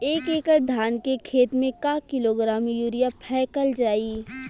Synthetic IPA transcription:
eːkeːkəɾd̪ʱaːnkekʰeːt̪mẽkakɪloɡɾaːmjuːɾijapʰɛːkəld͡ʒaːiː

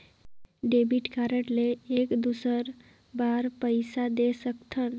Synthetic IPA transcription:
ɖebiʈkaɾəʈleːkd̪usəɾ | baɾpəjsad̪esəkt̪ʰən

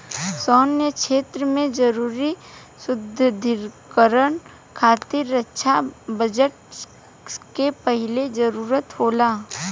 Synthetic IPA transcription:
sɔːnːekʃeːt̪ɾəmẽd͡ʒɐɾuːɾi | sʊd̪ʱːəd̪ʱɪɾkəɾən | kʰaːt̪ɪɾətːʃʰabəd͡ʒəʈ | kepəɦɪled͡ʒɐɾuːɾət̪ɦoːlaː

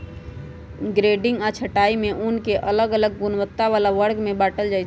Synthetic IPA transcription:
ɡɾeɖɪ̃ŋɡat͡ʃʰəʈaimẽʔunkeʔələɡələɡɡunʋət̪ːaʋalaʋəɾɡmẽbaːʈəld͡ʒajt͡ʃʰ

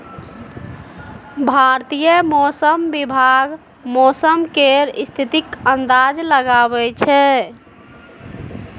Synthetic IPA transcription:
bʱaɾt̪ijəmɔsəmbibʱaɡ | mɔsəmkeɾist̪ʰit̪ikənd̪ad͡ʒləɡabɛt͡ʃʰɛ

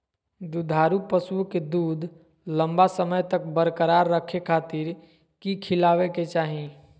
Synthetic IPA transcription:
d̪ud̪ʱaɾupəsuked̪uːd̪ʱ | ləmbasəməjt̪ək̚bəɾkəɾaɾːəkʰekʰat̪iɾ | kikʰilaʋeket͡ʃaɦi

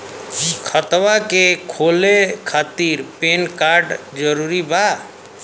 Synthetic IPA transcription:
kʰət̪ʋakekʰolekʰat̪iɾpenkaɾɖ | d͡ʒəɾuɾiba

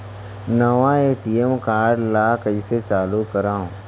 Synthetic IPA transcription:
nɐʋãeːʈiemkaːɾɖlaːkəiset͡ʃaːlukɐɾãːõ

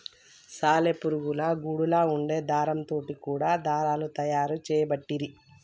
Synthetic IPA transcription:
saːlepuɾuɡulɐɡuːɽulaːuɳɖe̞ːd̪ʱaːɾɐmt̪o̞ːʈikuːɽaːd̪ʱaːɾaːlut̪ɐjaːɾut͡ʃɛːjɐbɐʈːiɾi

